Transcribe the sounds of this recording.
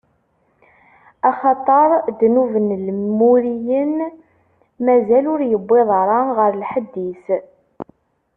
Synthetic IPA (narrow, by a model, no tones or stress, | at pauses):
ɑχɑt̪ˤɑɾˤd̪nuvənlmːuɾijən | mæzælʊɾjəbːeðˤɾˤɑnʁəɾlħəd̪ːis